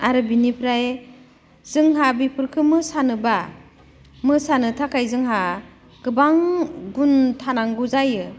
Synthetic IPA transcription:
aɾɯbinipʰɾaj | zɯŋɦabipʰɯɾkʰɯmɯsanɯba | mɯsanɯtʰakʰajzɯŋɦa | ɡ̥ɯbaŋɡuntʰanaŋɡuzajɯ

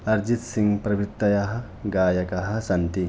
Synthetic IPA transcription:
ɐɾd͡ʒit̪siŋɡpɾɐbit̪ːɐjɐɦɐ̆ | ɡaːjɐkɐɦɐ̆sɐnt̪i

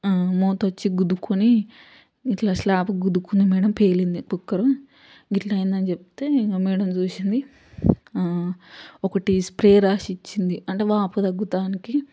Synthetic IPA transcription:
moːt̪ɐt͡ʃːiɡud̪ukuniː | ʈlaːʃlaːpuɡud̪ukund̪imiːɽɐmpe̞ːlind̪ikukːɐɾɐm | ɡiʈlɐjind̪ɐnt͡ʃep̚t̪eːmiːɽɐmt͡ʃuːsind̪i | ɔkɐʈispɾeːɾaːʃit͡ʃːind̪iɐɳʈeːʋaːpɐd̪ɐɡːut̪aːniki

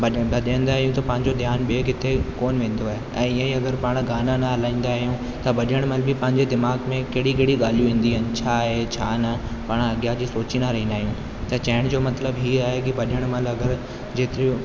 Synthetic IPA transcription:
bɐɗbɐɗãĩːnd̪aːɦijũt̪ɐpɐ̃ɦɪ̃ɲd͡ʑod̪ʱjaːnɓekɪt̪ʰekoːnʋẽːn̆d̪oaːɦeɛ̃ːɪə̃iɐɡəɾpaːɽ̃ɡaːnanɐɦɐlãːĩːn̆d̪aːɦijũ | t̪ɐbɐɗəɽ̃mɐlbʱɪpɐ̃ɦɪ̃ɲd͡ʑed̪ɪmaːɡmẽkeɦɽikeɦɽiɠaːlijũʋĩːn̆d̪iɦɐnɪ̆t͡ɕʰaːɦet͡ɕʰaːnɐpaːɽ̃ɐɡijad͡ʑiːsoːt͡ɕinaɾɐɦĩːnd̪aːɦijũ | t̪ɐt͡ɕɐɦɪɽ̃d͡ʑoːmɐt̪ləbɦiːaːɦekibɐɗəɽ̃mɐlɐɡəɾ | d͡ʑeːt̪ɪɾi

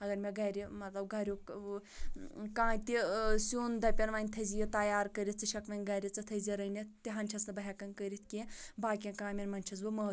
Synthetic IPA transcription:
ɐɡɐɾmʲeɡɐːɾimɐt̪lɐbɡɐɾʲo | kãːt̪isoːnd̪ɐpʲɐnʋaːnʲt̪ʰɐzijɐt̪ɐjaːɾkəɾit̪̚t͡sɨʃɐkʋɐnʲɡɐɾʲit͡sɐt̪ʰɐziɾɐnit̪iɦɐnʲt͡ʃʰɐsnɨbɐɦʲɛkɐnkəɾit̪ʰkĩbaːkʲẽkaːmʲinmɐnʲt͡ʃʰɐzbɨmɐ

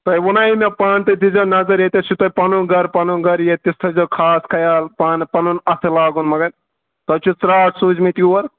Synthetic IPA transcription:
t̪ɐjwunaimepaːnt̪ɐd̪izɐnɐzɐɾjet̪esʰut̪ɐjpɐnuɡɐɾpɐnuɡɐɾjet̪ist̪ʰɐd͡ʒokʰaːskʰɐjaːlpaːnpɐnunɐt̪ʰɨlaːɡunmɐɡɐn | t̪ɐt͡ʃʰut͡sɾaːʈsuːd͡ʒmit̪iuɐɾ

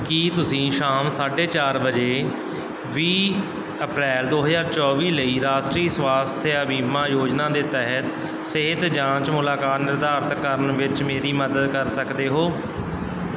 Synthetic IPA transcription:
kit̪ʊsĩːʃaːmsaːɖeːt͡ʃaːɾbəd͡ʒeː | ʋiː | əpɾɛːld̪oːɦəzaːɾt͡ʃɔːʋiːləiːɾaːʃʈɾiːswaːst̪ʰeabiːmãːjoːd͡ʒnãːd̪eːt̪ɛɦət̪ | sɪɦɪt̪d͡ʒãːt͡ʃmʊlaːkaːt̪nɪɾd̪aːɾt̪kəɾənʋɪt͡ʃmeːɾiːməd̪əd̪kəɾsəkd̪eːɦoː

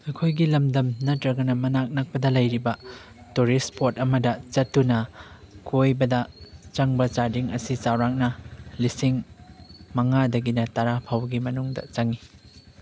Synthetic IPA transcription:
ɐkʰojɡilɐmdɐmnɐtɾɐɡɐnɐmɐnak̚nɐk̚pɐdɐlɐjɾibɐ | tuɾispʰotɐmɐdɐt͡ʃɐtːunɐkʰojbɐdɐt͡ʃɐŋbɐt͡ʃaɾdiŋɐ̰sit͡ʃawɾak̚nɐlisiŋ | mɐŋadɐɡinɐtɐɾapʰawɡimɐnuŋdɐ̰t͡ʃaŋi

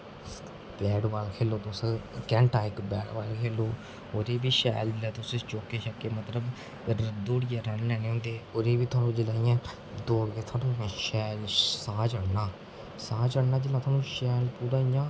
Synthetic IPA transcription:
pɛːɖʋaːlkʰeːloːt̪ʊskɛ̃ːɳʈaːɪkbɛːɽʋaːlkʰeːloː | oːɾeːbiːʃɛ̰ːld͡ʒɪlɛːt̪ʊst͡ʃoːkeːʃəkːeːmət̪ləb | ɾəd̪oːɽɪjãːɾənːɛːnẽːɦʊ̃nd̪eːoːɾeːʋiːt̪ʰʊaːnũːd͡ʒɪlaːijãː | d̪oːɡet̪ʰaːnũːʃɛːlsaːd͡ʒəɽnaː | saːt͡ʃəɽnaːd͡ʒeːlãːt̪ʰaːnũːʃɛːlpuːɾaːijãː

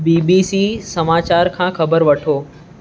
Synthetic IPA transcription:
biːbisiːsɐmaːt͡ɕaːɾkʰãːkʰɐbəɾʋɐʈʰoː

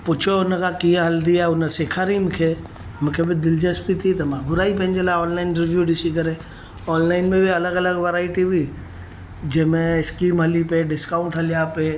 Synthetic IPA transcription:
pʊt͡ʃʰoʊnəkʰãkĩːə̃ɦɐld̪iaːɦeʊnə̆seːkʰaːɾimʊ̃kʰeː | mũːkʰebɪd̪ɪld͡ʑəspit̪ʰit̪ɐmãɡʱʊɾaːipɐ̃ɦɪ̃ɲ̆d͡ʑelaːɪɔːnlaːɪnɾɪʋjuɗɪsikɐɾe | ɔːnlaːɪnmẽbɪɐləɡɐləɡʋeɾaːɪʈiʋi | d͡ʑɐ̃ɦɪ̃mẽɪskiːmɦɐlipeɖɪskaːʊ̃ɳʈɦɐlijape

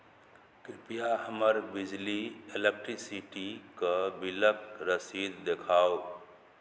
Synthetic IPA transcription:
kɪpijahəməɾbɪd͡ʒlielek̚ʈɾisiʈikabɪləkɾəsiːd̪d̪ekʰaːo

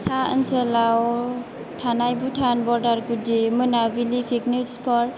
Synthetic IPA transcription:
saə̰nsɯlaw | tʰanajbutʰanbɔɾdaɾkudimɯnabilipʰik̚nuspʰɔɾ

